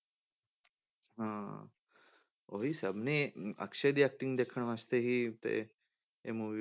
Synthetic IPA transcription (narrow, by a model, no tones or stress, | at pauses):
ɦãː | oɦisəbniɐ̰kʃed̪iɛk̚ʈĩŋɡd̪ekʰəɳ̃ʋast̪eɦit̪ḛ | ḛmuʋi